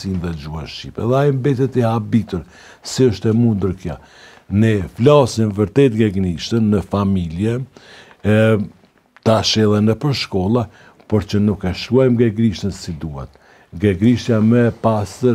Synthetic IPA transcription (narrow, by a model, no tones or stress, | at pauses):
sinðɛd͡ʒuanʃipɛ̰ðɛaimbɛt̪ɛt̪iɦabit̪uɾ | siəʃt̪ɛmund̪əɾkja̰ | nɛflasinvəɾt̪ɛt̪ɡɛɡniʃt̪ənːəfamiljɛ | t̪aʃɛlˠɛnəpəɾʃkɔlˠa | pɔɾt͡ʃənukɛʃkuɔjmɡɛɡɾiʃt̪ənsid̪uhɛ̰t̪ | ɡɛɡɾiʃjamɛpast̪əɾ